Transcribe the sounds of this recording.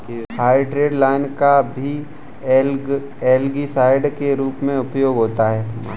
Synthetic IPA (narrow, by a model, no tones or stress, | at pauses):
haːjɖɾeːɖlaːɪnkabʱi | eːlɡisaːɪɖkeɾuːpmẽʊpjoːɡɦoːt̪aɦɛː